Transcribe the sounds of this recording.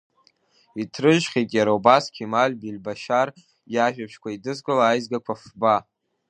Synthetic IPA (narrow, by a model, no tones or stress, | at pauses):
itʰrɨʒχʲekʼjaɾaubaskʲʰimalʲbilbaʃar | jaʒᶣapʰʂkʷʰaidɨzkʼalaːjzɡakʷʰafba